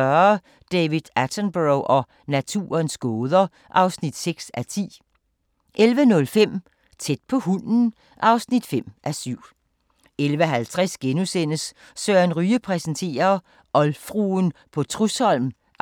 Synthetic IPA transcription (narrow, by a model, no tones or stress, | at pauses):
ɶɐ | d̥ɛʋid̥ˠæt͡sʰənb̥oʊʔɒ̽ | næt͡sʰṵːɐnsɡ̥ɔːðˠɐ | ʔɑ̈ʊsnid̥seɡ̥sæt͡sʰḭː | ʔelʋənɔ̽lfem̰ | t͡sʰed̥̚pʰɒ̽hunn̩ | ʔɑ̈ʊsnid̥fem̰ʔæsyʊ̰ | elʋəɦælt͡sʰʁasɡ̥enusen̰əs | sœːɐnʁyːəpʰʁɛsənt͡sʰe̝̰ːɐ | ʔɒ̽lfʁuːnpʰɒ̽t͡sʰʁushɒ̽l̰m